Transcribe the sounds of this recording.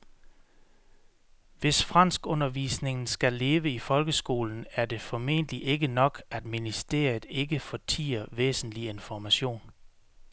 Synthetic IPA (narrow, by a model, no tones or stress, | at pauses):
ʋe̝sfʁɑn̰sɡ̥ɔ̽nɐʋḭːsne̝ŋn̩sɡ̥æle̝ːʋəifɒ̽lɡ̥əsɡ̥o̝̰ːln̩æɐd̥e̝fɒ̽me̝̰n̰dəliʔe̝ɡ̥ənɒ̽ɡ̥æd̥minisd̥e̝̰ɐ̰iðˠe̝ɡ̥əfɒt͡sʰḭːɐʋḛːsn̩lie̝nfɒmæɕo̝̰ːn